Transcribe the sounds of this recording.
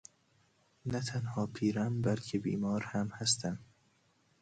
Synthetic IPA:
næt̪ʰænhɒːpʰiːɾæmbælkʰebḭːmɒːɾhæmhæst̪æm

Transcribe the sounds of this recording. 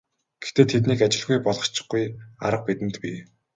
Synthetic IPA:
ɡ̥ext̪eːt̪ʰet̪niːkat͡ɕɪ̆ɮɣujpɔɮʁɞ̆t͡ɕɪ̥̆χɡuja̰ɾə̆q̚pit̪ɘ̆nt̪pi

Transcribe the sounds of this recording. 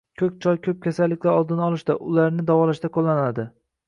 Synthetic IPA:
kʲʰɵk̚ʲt͡ʃʰɒjkʲʰɵp̚kʲʰasalːɪkʲlaɾɒlˠd̪ɪnɒlˠɪʃd̪aʔʊlaɾnɪd̪avɒlaʃd̪akʰolˠːanlad̪ɪ

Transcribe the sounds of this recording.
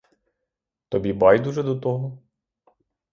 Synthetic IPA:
t̪ɔbʲibɑjd̪uʒɛd̪ɔt̪ɔɦɔ

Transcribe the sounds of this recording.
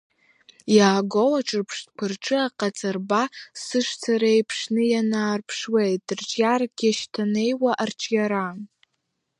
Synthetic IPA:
jaːɡolaʈ͡ʂʰʼɨrpʰʂtkʰɨrʈ͡ʂʼɨaqʼat͡sʼarbasɨʂt͡sʰaɾejpʰʂnɨjanaːrpʰʂwejtʼrt͡ʃʼjarɡʲaʃtʰane̞jwaʔarʈ͡ʂʰʼjaɾa

